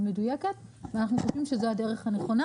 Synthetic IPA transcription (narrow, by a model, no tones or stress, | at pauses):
me̞dujeket̪ | veanaχnuχo̞ʃvimʃe̞zeade̞ʁe̞χhane̞χo̞na